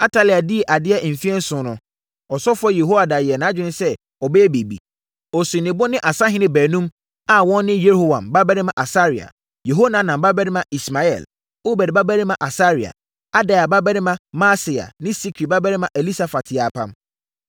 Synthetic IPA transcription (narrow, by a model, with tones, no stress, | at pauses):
a˦tʰa˦lɪ˨a˨di˦˨ʔa˨dɪ˦ɛ˦ʔm̩˨fi˦ɛ˦n̩˦sʊ̃˨˦nʊ̃˦ | ɔ˨sɔ˦fɛ˦je˨ɦo˦wa˨da˨jɪ˨ɛ˨nãː˨˦d͡ʑᶣɪ̃˦nɪ̃˦sɛ˦ | ɔ˨bɛ˦be˨bḭ˨ | ɔ˨sʊ̃˨nɪ̃˨bʊ˦nɪ̃˦ʔa˨sa˦ɦɪ̃˦nɪ̃˦bæː˨nũ˦m | a˨wɔ̃˦nː˦ɪ̃˦je˦ho˦˨wã̰˨mba˦bɛ˦ɾɪ̃˦mã˨ʔa˨sa˦ɾɪ˨a̰˨ | je˨ɦo˦nã˨˦nã˨mba˦bɛ˦ɾɪ˦mã˨ʔi˨sma˨ɛ̰˨l | o˦bɛ˨ɾɪ˨ba˦bæ˦ɾɪ̃˦mã˨ʔa˨sa˦ɾɪ˨a̰˨ | a˦da˨ja˨ba˦bɛ˦ɾɪ̃˦mã˦maː˦sɪ˨a̰˨nɪ̃˦si˦kʰi˨ba˦bɛ˦ɾɪ̃˦mã˨ʔɛ˨li˦sa˨fa˨tʰɪ˨a˨pʰã̰˦m